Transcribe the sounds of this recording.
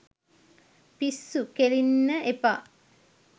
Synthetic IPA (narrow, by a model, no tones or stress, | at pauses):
pisːukelinːəʔepa